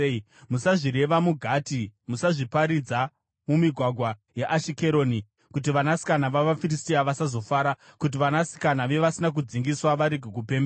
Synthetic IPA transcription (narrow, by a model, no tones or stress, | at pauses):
i | musaʐiɾe̞ʋamuɡʱaːtimusaʐipaɾid͡za | mumiɡʱwaɡʱwajeʔaʃike̞ɾo̞ːni | kut̬iʋanasi̥kanaʋaʋafiristiaʋasazo̞faːɾakut̬iʋanasi̥kanaʋe̞ʋasinak̬ud͡ziŋɡiswaʋaɾiɡʱikupembe